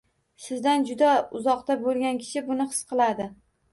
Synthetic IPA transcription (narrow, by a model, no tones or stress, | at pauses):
sɪzd̪and͡ʒʊd̪aʊzɒqt̪abolˠɡʲankʲʰɪ̥ʃʰɪbʊnɪχɨ̥sqʰɨlˠad̪ɪ